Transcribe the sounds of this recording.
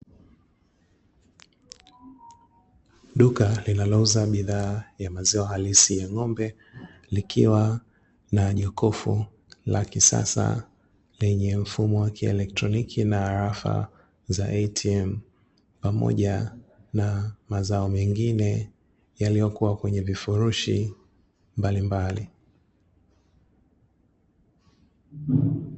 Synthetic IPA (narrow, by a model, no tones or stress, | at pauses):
ɗukalinalɔuzaɓiðaːjamazɛɔhalisijaŋɔmbɛ | likʰiwa | naʄɔkɔfṵ | la̰kisa̰sa̰ | lɛɲɛm̩fumɔwakiɛ̰lɛk̚tɾɔnikʰinaːɾafa̰ | zaʔɛtʰiɛm̩ | pamɔ̰ʄanamazaɔmɛŋɡinɛ | jalijɔkuwakwɛɲɛvifuɾuʃḭ | mbalimbali